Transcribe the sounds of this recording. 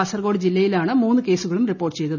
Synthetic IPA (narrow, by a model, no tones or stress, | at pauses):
ɐsɐrɡo̞ːɽɨd͡ʑilːɐjilaːɳɨmuːnːɨke̞ːsuɣɐɭumripːo̞ːrʈːɨt͡ɕe̞jt̪uð